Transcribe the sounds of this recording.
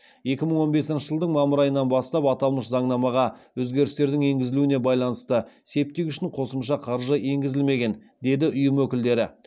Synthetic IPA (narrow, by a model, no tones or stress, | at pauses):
je̞kʲɪməɴwo̞nbe̞sɪnʃəʒəlˠd̪əɴmɑməɾɑjənːɑnbɑst̪ɑpɑt̪ɑlˠməʃzɑɴnɑmɑʁɑwɵzɡʲe̞ɾɪst̪e̞ɾd̪ɪŋe̞ŋɡʲɪzɪluɪne̞bɑjlˠɑnəst̪əse̞p̚t̪ekʏʃɪɴqʰo̞səmʃɑqʰɑɾʒəe̞ŋɡʲɪzɪlme̞ɡʲe̞n | d̪e̞d̪ɪʔʊjəmwɵkʲɪld̪e̞ɾɪ